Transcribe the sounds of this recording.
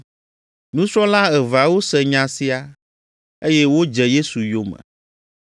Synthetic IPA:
nũ˦sɾɔ̃˦la˦ɛ˨va˨wo˦sɛ˨ɲã˨si˦a˨ | e˦je˦wo˦d͡ʒɛ˨je˦su˨jo˨mɛ̰̃˨

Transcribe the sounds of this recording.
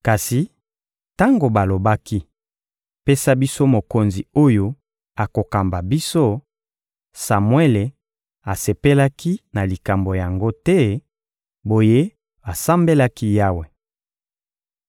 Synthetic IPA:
ka˨si˨ | ta˦ŋɡo˨ba˨lo˨ba˦ki˦ | pe˦sa˦bi˦so˦mo˨ko˨nzi˨o˦jo˦ | a˨ko˨ka˨mba˨bi˦so˦ | sa˨mwe˦le˨ | a˨se˨pe˦la˦ki˦na˨li˨ka˨mbo˨ja˨ŋɡo˦tɛ˦ | bo˨je˦ | ba˨sa˦mbe˦la˦ki˦ja˦we˨

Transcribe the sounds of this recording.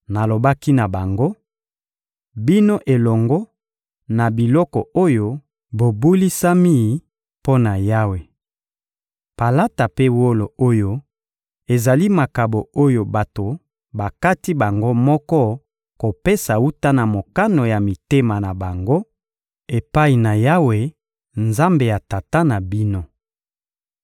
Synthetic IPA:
na˨lo˨ba˦ki˦na˨ba˨ŋɡo˦ | bi˦no˦ʔe˨lɔ˨ŋɡɔ˦ | na˨bi˨lɔ˦kɔ˨o˦jo˦ | bo˨bu˦li˦sa˦mi˦˨ | po˦na˨ja˦we˨ | pa˨la˦ta˨pe˦wo˦lo˨o˦jo˦ | e˨za˨li˦ma˨ka˨bo˨o˦jo˨ba˨to˨ | ba˨ka˦ti˦ba˨ŋɡo˦mɔ˦kɔ˦ | ko˨pe˦sa˨u˦ta˦na˨mo˨ka˦no˨ja˨mi˨te˦ma˨na˨ba˨ŋɡo˦ | e˨pa˦i˨na˨ja˦we˨ | nza˦mbe˨ja˨ta˨ta˦na˨bi˦no˦

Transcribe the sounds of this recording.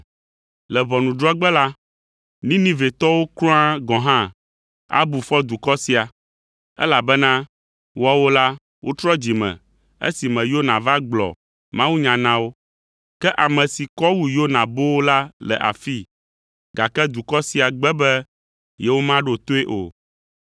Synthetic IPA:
lɛ˨vɔ˨nũ˨ɖɾɔ˦ɡ͡bɛ˦la˦ | nĩ˦nĩ˦ve˨t̪ɔ˦wo˦klɔ̃˦a˦ɡɔ̃˨ɦã˦ | a̰˦bu˨fɔ˦d̪u˨kɔ˦si˦a˨ | ɛ̰˦la˨bɛ˦nã˦ | wɔ˦wo˦la˦ | wʔo˦t̪ɾɔ˦d͡ʑi˨mɛ̰̃˨ | ḛ˦si˨mɛ̃˨jo˦nã˨va˦ɡ͡blɔ̰˨ | mã˦wu˦ɲã˨nã˦wo˦ | kɛ˦ʔa˨mɛ̃˨si˨kɔ˦wu˨jo˦nã˨bo˦wo˦la˦lɛ̰˨ʔa̰˨fi˦ | ɡa˨kɛ˦d̪u˨kɔ˦si˨a˨ɡ͡bɛ˦bɛ˦ | jɛ˦wo˦mã˦ɖo˦˨t̪o˦e˦ʔo̰˨

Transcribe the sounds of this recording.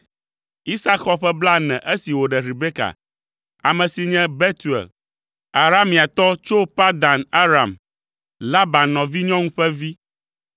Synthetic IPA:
i˦sa˦kxɔ˦ɸɛ˦bla˦nɛ̃˨ʔe˦si˨wo˨ɖɛ˨ɾi˨be˦ka̰˨ | a˨mɛ̃˨si˨ɲɛ̃˦bɛ˦t̪u˨ɛ̰˨l | a˨ɾa˦mːĩ˨a˨t̪ɔ˦t͡ʃo˦pa˦d̪a˨na˦ɾa˨m | la˦ba˨nnɔ̃˨vi˦ɲɔ̃˦ŋũ˦ɸɛ˦vi˦

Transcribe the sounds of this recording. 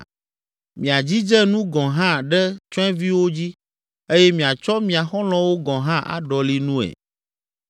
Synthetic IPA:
mĩ˨a˨d͡ʑi˦d͡ʒɛ˦nũ˦ɡɔ̃˨ɦã˦˨ɖɛ˦t͡ʃɔ˦ɛ˦vi˦wo˦d͡ʑi˦ | e˦jɛ˦mĩ˨a˨t͡ʃɔ˦mĩ˨a˨xɔ˦l̃ɔ̃˦wo˦ɡɔ̃˨ɦã˦ʔa̰˨ɖɔ˨li˦nũ˦ɛ̰˨

